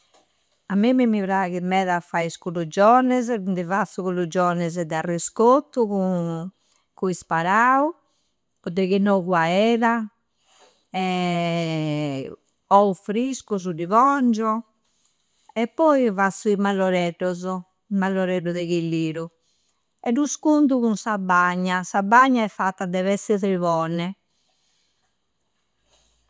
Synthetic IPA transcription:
amːimimiβɾaɣimːɛːðafaiskulud͡ʒɔnɛzɛnd̪ɛvasuɣulud͡ʒɔnɛzɛd̪ɛariskot̪ːuɣu | kuispaɾau | pɔd̪ɛɣinɔɣwaɛːɾa | ɛ | ɔufɾiskuzud̪ivɔnd͡ʒɔ | ɛpːɔivasuimalːɔɾɛɾɔzɔ | malːɔɾɛɾuðɛɣilːiːɾu | ɛɾuskunt̪̬uɣunsabːaɲːasabaɲːaɛfːat̪ːad̪ɛβɛsɛðɛvɔnɛ

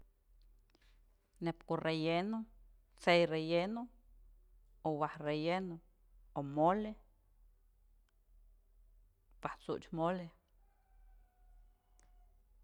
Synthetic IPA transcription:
nepkurʔejeno | t͡sejrejeno | owahrejeno | omole | paht͡sṵʔt͡ʃmole

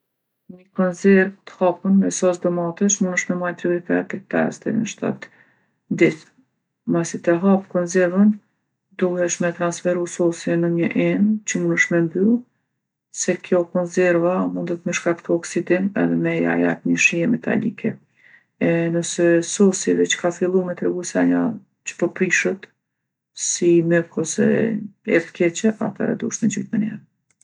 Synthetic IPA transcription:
ɲəkɔnzɛɾvt̪ə̥hapənmɛsɔsd̪ɔmat̪ɛʃmunəʃmɛmajt̪ɾiɾipɛt̪ɛt̪ɛ̰st̪ɛ̰nəʃt̪a̰t̪ | d̪iθ | masit̪əɦapkɔnzɛɾvən | d̪uhɛʃmɛt̪ɾansfɛɾusɔsinəɲəʔɛnt͡ɕəmunəʃmɛmby | sɛkjɔkɔnzɛɾvamund̪ət̪mɛʃkak̚t̪ɔɔksid̪inɛ̰ðɛmɛa̰ja̰t̪ɲəʃiɛmɛt̪a̰lḭkʰɛ | ɛnəsɛsɔsivɛt͡ʃə̥kafilˠumɛt̪ɾɛɡusaɲa | t͡ʃə̥pəpɾiʃət̪ | simɛkʰɔsɛ̰ɛ̰ɾt̪kʰɛt͡ɕɛa̰t̪ɛ̰ɾɛ̰d̪ṵəʃmɛd͡ʒy̰jt̪mɛnɛ̰ɾ

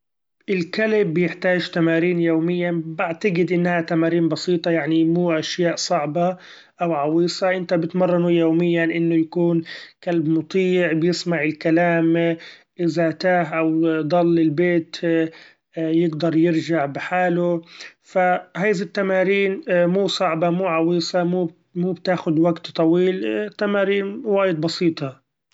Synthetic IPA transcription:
ʔɪlkalɪbːjɪħt̪aːʒt̪amaːɾiːnjoːmɪjːabaʕt̪aɡɪd̪ʔɪnːhat̪amaːɾiːnbɑsiːt̪ˤɑjaʕnimuːʔaʃjaːʔsˤɑʕba | ʔawʕɑwiːsˤɑʔɪnt̪abɪt̪mɑrˤːɑnujoːmɪjːanʔɪnːʊjakuːnkalbmʊt̪ˤiːʕbɪjɪsmaʕɪlkalaːm | ʔɪzaʔt̪aːhʔawd̪ˤɑlːɪlbeːt̪ | jɪɡd̪ɑɾˤjɪɾʒaʕbɪħaːlʊfahaːjzat̪ːamaːɾiːnmuːsˤɑʕbɑmuːʕɑwiːsˤɑmuː | muːbt̪aːxʊd̪waɡt̪t̪ˤːɑwiːlt̪ːamaːɾiːnwaːjɪd̪̚bɑsiːt̪ˤɑ

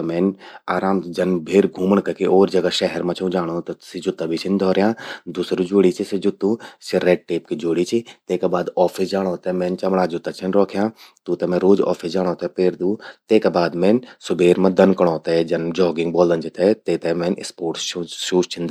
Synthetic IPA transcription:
ɐmeːnaːɾaːmd͡ʒɐnbʱeːɾɡʱuːməɳkɐkiʔoːɾd͡ʒɐɡaʃɛɦɛɾmɐ̃t͡ʃʰũːd͡ʒaːɽ̃oːt̪ɐsid͡ʒʊt̪ːabʱit͡ʃʰind̪ʱɔːɾjãːd̪usɾud͡ʒoːɽit͡ʃʰisid͡ʒʊt̪ːũsiɾɛːɖ̚ʈeːpkid͡ʒoːɽit͡ʃʰit̪eːkabaːd̪ɔːfʰisd͡ʒaːɽ̃oːt̪ɛmẽːnt͡ʃɐmɽaːd͡ʒʊt̪ːat͡ʃʰinɾɔːkʰjãːt̪uːt̪ɐmẽɾoːd͡ʒɔ̰ːfʰisd͡ʒaːɽ̃oːt̪ɛpeːɾd̪ũːt̪eːkabaːd̪mẽːnsʊbʱeːɾmɐ̃d̪ɐnkɐɽ̃õːt̪ɛd͡ʒɐnd͡ʒɔːɡɪ̃ŋɡbɔːlɐnd͡ʒit̪ɛt̪eːt̪ɛmẽːnɪspoːʈsʃuːt͡ʃt͡ʃʰin

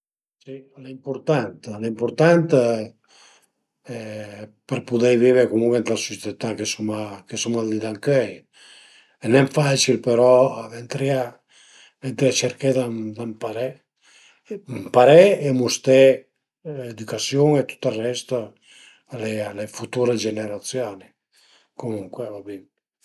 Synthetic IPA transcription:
silaimpuɾt̪ant̪laimpuɾt̪ant̪ | ɛpeɾpud̪ɛjviβekumuŋɡɛnt̪lasust̪et̪akesumakesumald̪id̪aŋkœj | enɛmfat͡ʃilpeɾɔent̪ɾia | vɛnt̪ɾiat͡ʃɛɾked̪amd̪ampaɾɛ | mpaɾɛːmust̪ɛ | ed̪ukasjuŋet̪u̥t̪ːarːɛst̪ə | alealefut̪uɾed͡ʒeneɾat̪sjani | komuŋkwevabin

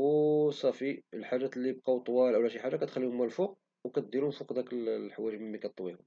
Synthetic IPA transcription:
wsˤɑfiəlħaɾæt̪lːib̚qɑwt̪ˤwɑlʔæwlæʃiħaʒːɑkæt̪xælːihʊmːælfuq̚ | wkæt̪̚d̪iɾumfuqd̪ækəlħwæɾməmːikæt̪t̪ːˤwihʊm

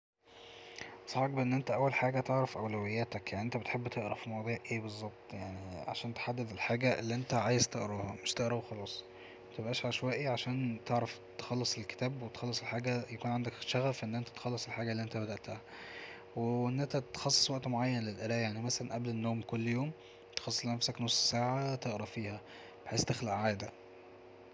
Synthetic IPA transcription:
sˤɑħek̚beʔenːʔent̪æʔæwːælħaːɡæt̪eʕɾɑfʔæwlæwejːæːt̪ækjaʕniʔent̪æbet̪ħebːt̪ʰeʔɾˤɑfimɑwd̪ˤiːʕʔeːbezˤːɑb̚t̪ˤjaʕniʕa̰ʃæːnt̪e̥ħad̪ːed̪elħaːɡæʔelːiʔent̪æʕaːjezt̪eʔɾɑːhɑmeʃt̪eʔɾˤɑwxɑlɑːsˤ | mæt̪ebʔæːʃʕaʃwæːʔiʕaʃæːnt̪eʕɾˤɑft̪e̥xɑlːesˤelke̥t̪æːbwet̪xɑlːesˤelħaːɡæjækuːnʕand̪ækʃæɣæfʔenːʔent̪æt̪xɑlːesˤelħaːɡælːiʔent̪æbæd̪æʔt̪æhæ | weʔenːʔænt̪æt̪xɑsˤːe̥sˤwæʔt̪moʕajːænlelʔeɾæːjaʕnimæsælænʔæblenːoːmkolːjoːm | t̪e̥xɑsˤːslenæfsæknosˤːsaːʕat̪eʔɾˤɑfiːhæ | b̥eħeːst̪exlæʔʕaːd̪æ

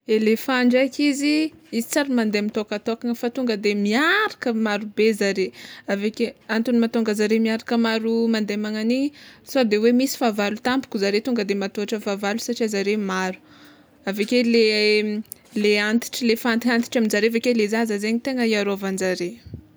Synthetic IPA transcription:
elefaɳɖ͡ʐakʲiziizit͡saɾimand̪eamit̪okat̪okaŋəfat̪uŋɡəd̪emiaɾakəmaɾubezaɾeavekeant̪unimat̪oŋɡəzaɾemiaɾakəmaɾumand̪emaŋaniɲisod̪ewemisi̥favalut̪ampu̥kʲuzaɾet̪uŋɡəd̪emat̪oaʈ͡ʂəfavalusaʈ͡ʂiazaɾemaɾu̥ | avekele | leant̪i̥ʈ͡ʂilefant̪iant̪i̥ʈ͡ʂaminzaɾeavekelezazəzeɲit̪eŋəiaɾoavanzaɾe

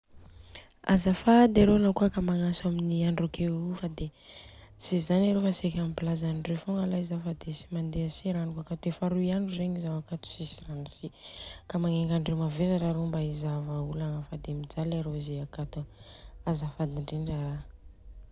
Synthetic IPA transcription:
a̰zəfad̪eɾonakuakamaŋasaminiaɳɖ͡ʐokʰeufad̪e | sizanaɾofasekʲamipilazanɖ͡ʐefoŋalaizafad̪esi̥mand̪easiɾanikuakat̪efaɾuiaɳɖ͡ʐureɲizawakat̪u̥sisiranusikamaŋeŋɡaɳɖ͡ʐewmavezaɾaɾombaizavaulaŋəfad̪emid͡zalaɾozeakat̪uazəfad̪iɳɖ͡ʐeɳɖ͡ʐaɾa

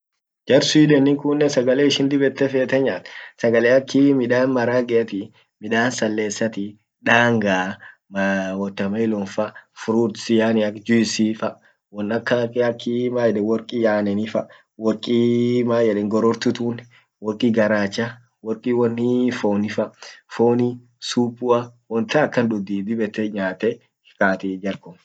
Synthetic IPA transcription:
d͡ʒɐɾsʊᶑɛnːɪŋkʊnːɛsɐɡɐleːɪʃɪnd̪ɪbɛt̪ːɛfeːt̪ɛɲaːt̪sɐɡɐleːɐkʰːimɪᶑaːnmɐɾaːɡɛɐt̪ɪ | mɪᶑaːnsɐlːeːsːɐt̪ɪ | ᶑaːŋɡaːmwɔt̪ːɐmɐɪlɔnfɐfʊɾuːsɪjaːnɪɐkd͡ʒʊɪsiːfɐ | wɔnɐkːɐɐkʰːimaːjɛɛwɔɾkʼijaːnɛnɪfɐ | wɔɾkʼimaːjɛᶑɛŋɡɔɾɔɾt̪ʊt̪uːn | wɔɾkʼiːɡɐɾaːt͡ʃːɐ | wɔɾkʼiwɔnːɪfoːnɪfɐfoːni | suːpʼːʊɐwɔnt̪ɐːkːɐnᶑʊd̪iːd̪ɪbɛt̪ːɛɲaːt̪ɛ | kaːt̪ɪd͡ʒɐɾkɔm

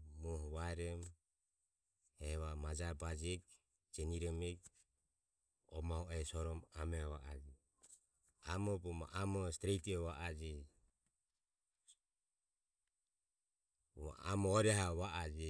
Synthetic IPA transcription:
muhβaɛɾɛm | ɛβamad͡ʒabad͡ʒik | d͡ʒɛniɾɔmɛk | ɔ̰maɔʔɛsɔɾɔmamɛɔβa̰ʔad͡ʒi | amɔbɔma̰ʔamɔst̪ɾɛit̪ɔβaʔad͡ʒi | a̰a̰mɔɔɾɛɦaβaʔad͡ʒi

